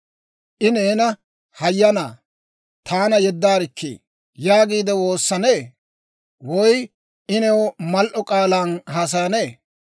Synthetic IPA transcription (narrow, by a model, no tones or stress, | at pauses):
ʔɪneːnɐ | hɐjːɐnaː | t̪ʰaːnɐjɛd̪ːaːɾɪkʰːḛː | jaːɡiːd̪ɛwo̞ːsːɐneː | wɔj | ʔɪnɛwɔmɐlʔɔkʼaːlaːnɦas̬ɐjɐne̞ː